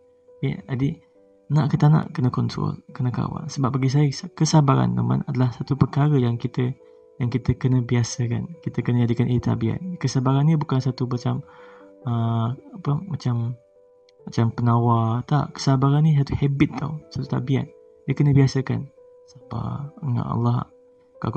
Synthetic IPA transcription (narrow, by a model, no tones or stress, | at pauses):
jə̰adi | naʔkət̪anã̰ʔkənəkɔntɔ̰lkənəka̰wa̰nsəbap̚baɡis̬ajəskəsabaɾa̰nt̪ə̰ma̰nadalahsat̪upəkaɾəjaŋkit̪ə | jaŋkit̪əkənəbiasəka̰nkit̪əkənəd͡ʒadikanʔit̪ʰa̰bia̰t̪̚kəsabaɾanːibukansat̪umat͡ʃaməapəmat͡ʃam | mat͡ʃampənawat̪a̰ʔkə̥sabaɾanːĩs̬at̪uhɛbɪt̪ːa̰wsat̪ut̪abia̰t̪̚ | diəkənəbiasəka̰n | sapa̰əŋa̰ʔ̪ɑ̰lːɑɦa̰ | ka̰